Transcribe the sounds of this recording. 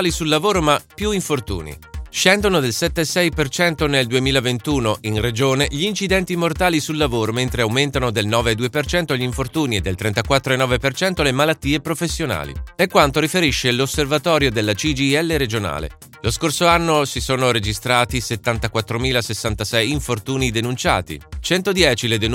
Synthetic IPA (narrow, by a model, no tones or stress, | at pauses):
lisulːavoːɾomapːjuiɱfort̪ṵːnḭʃɛnd̪onod̪elsɛt̪ːesɛjpert͡ʃɛnt̪oneld̪uemiːlavent̪uːnoʔinred͡ʒoːneʎiːnt͡ʃid̪ɛnt̪imort̪aːlisulːavoːɾoment̪ɾeawment̪anod̪elnɔːveːd̪uːepert͡ʃɛnt̪oʎiɱfort̪uːnied̪ːelt̪ɾɛnt̪akwat̪ːɾoenːɔːvepert͡ʃɛnt̪olemalat̪ːiːepɾofesːjona̰ːlḭɛkːwant̪oɾifeɾiʃːelosːervat̪ɔːɾjod̪elːat͡ʃid͡ʒiɛlːeɾed͡ʒona̰ːlḛ | loskorsoanːosisoːnoɾed͡ʒist̪ɾaːt̪iset̪ːant̪akwat̪ːɾomiːlasesːant̪asɛjiɱfort̪uːnid̪enunt͡ʃa̰ːt̪ḭt͡ʃɛnt̪od̪jɛːt͡ʃiled̪en